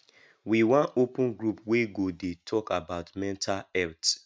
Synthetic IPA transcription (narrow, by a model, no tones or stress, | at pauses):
wiwãnopũnɡɹupweɡodetʰɔkabaʊtmɛ̃ntʰalɛlt